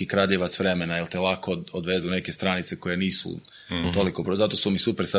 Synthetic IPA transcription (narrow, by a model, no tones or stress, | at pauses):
ikɾadʎeʋat̪sʋɾe̞menajelˠt̪elˠakodod̪ʋezeune̞ke̞st̪ɾanit̪se̞ko̞je̞niːsṵ | t̪olikopɾozat̪o̞sumisupeɾsa